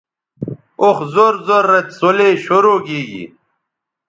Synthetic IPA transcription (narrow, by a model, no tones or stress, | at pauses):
oxzoɾzoɾːɐt̪soleːɕoɾoːɡiːɡḭ